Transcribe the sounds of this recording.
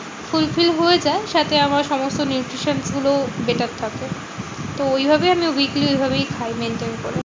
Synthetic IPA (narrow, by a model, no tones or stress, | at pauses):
fulfilɦoed͡ʑaeʃat̪eamaɾʃɔmost̪onjuʈɾiʃansɡulobeʈatt̪ʰːake | t̪oojbʱabeamiwikliojbʱabejkʰajmenʈenko̰ɾe